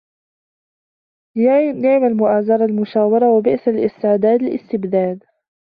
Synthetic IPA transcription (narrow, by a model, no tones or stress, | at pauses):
janɪʕmalmʊʔaːzɑɾˤɑlmʊʃaːwɑɾˤɑwabɪʔsalʔɪst̪ɪʕd̪aːd̪ɪlʔɪ̰st̪ɪbd̪aːd̪